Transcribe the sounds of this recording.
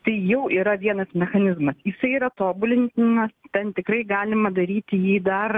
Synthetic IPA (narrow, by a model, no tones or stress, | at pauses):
t̪ɐɪjɛʊʔiːɾɐʋʲiɛnɐsmʲɛxɐnʲɪzmɐsjɪsɐɪiːɾɐt̪oːbʊlʲɪnʲt̪ʲɪnɐst̪ʲɛnt̪ʲɪkɾɐɪɡɑːlʲɪmɐd̪ɐɾʲiːt̪ʲɪjiːd̪ɐr